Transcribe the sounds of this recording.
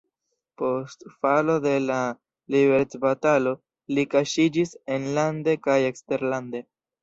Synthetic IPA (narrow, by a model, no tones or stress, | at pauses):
po̞stfalo̞de̞la | libe̞ɾtbatalo̞ | likaʃid͡ʒise̞nlande̞kaje̞kste̞ɾlande̞